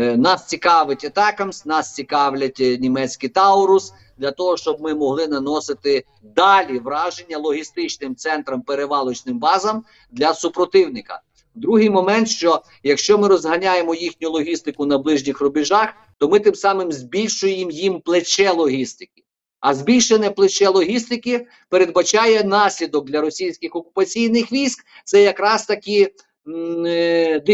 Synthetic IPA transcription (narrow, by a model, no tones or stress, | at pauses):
nɑst͡sʲikɑʋɪtʲɐt̪ɑkɐmsʲnɑst͡sʲikɑwlʲɐtʲnʲimɛt͡sʲkɪjt̪ɑʊɾʊs | d̪lʲɐt̪ɔɦɔʃt͡ʃɔb̚mɪmɔɦlˠɪnɐnɔsɪt̪ɪ | d̪ɑlʲiʋɾɑʒenʲːɐlˠɔɦʲist̪ɪt͡ʃnɪmt̪sɛnt̪ɾɐmpeɾeʋɑlˠɔt͡ʃnɪmbɑzɐm | d̪lʲɐsupɾɔt̪ɪwnɪkɐ̰ | d̪ɾuɦɪjmɔmɛnt̪ʃt͡ʃɔ | jɐkʃt͡ʃɔmɪɾɔzɦɐnʲajemɔjixnʲʊlˠɔɦʲist̪ɪkʊnɐblˠɪʒnʲixrʊbʲɪʒɑx | t̪ɔmɪt̪ɪmsɑmɪmzʲbʲilʲʃʊjemjimplˠet͡ʃɛlˠɔɦʲist̪ɪ̥kʲɪ̥ | ɐzʲbʲilʲʃenʲɛplˠet͡ʃɛlˠɔɦʲist̪ɪkɪ | peɾe̞d̪bɐt͡ʃɑjɛnɑsʲlʲid̪ɔk̚d̪lʲɐɾɔsʲijsʲkʲɪxɔkʊpɐt͡sʲijnɪxʋʲijsʲk | t̪sɛjɐkɾɑst̪ɐkʲɪ | d̪